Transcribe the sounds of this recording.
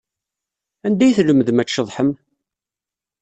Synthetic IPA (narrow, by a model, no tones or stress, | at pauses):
ænd̪æjθləmðmæt͡ʃːəðˤħəm